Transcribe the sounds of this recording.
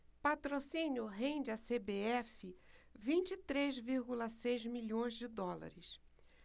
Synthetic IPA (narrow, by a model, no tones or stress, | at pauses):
pat̪ɾosĩnjʊɦẽd͡ʒɪɐsebeɛfɪvĩnt͡ʃɪit̪ɾezviɾɡulɐsejzmiʎõj̃zd͡ʒɪd̪ɔla̰ɾɪs